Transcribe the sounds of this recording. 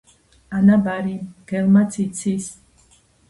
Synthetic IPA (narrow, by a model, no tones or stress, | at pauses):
anabaɾimɡ̥ɛlmat̪sʰit̪sʰis